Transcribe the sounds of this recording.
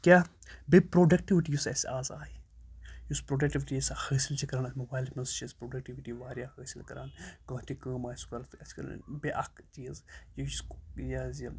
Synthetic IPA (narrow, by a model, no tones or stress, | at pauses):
kʲjaːbepɾoːɖɐk̚ʈiʋiʈijusɐsaːza̰ːijuspɾoːɖɐk̚ʈiʋiʈiɐsahəːsilt͡ʃʰikɐɾaːnɐsmobaːjlmɐnst͡ʃʰispɾoːɖɐk̚ʈiʋiʈiʋaːɾʲjaːhəːsilkɐɾaːnkɐ̃ːt̪ikɐːmaːskɐɾt̪ɐt͡ʃkɐɾ̰beʔɐkt͡ʃiːzjskjaz